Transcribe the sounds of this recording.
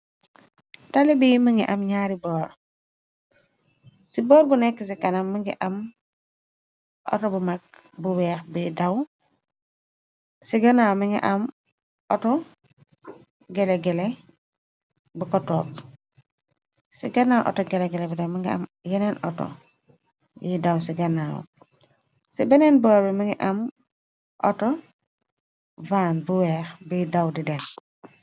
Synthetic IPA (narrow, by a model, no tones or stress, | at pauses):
talibiməŋɡiʔamɲaːɾibɔːɾ | sibɔːɾbunekːis̬ikanamːəŋɡḭʔam | ʔɔ̰tɔbumak̚ | buwɛːxbidaw | siɡanamiŋɡḭʔam | ʔɔtɔ | ɡɛleɡɛle | bikɔtɔp̚ | siɡanawʔo̰tɔɡeleɡelebidemiŋɡia̰mjenenɔ̰tɔ̰ | jidawsiɡanawɔ̰ | sibenenbuaɾbimiŋɡiʔam | ʔɔ̰tɔ | vanbuwɛːxbidawdiden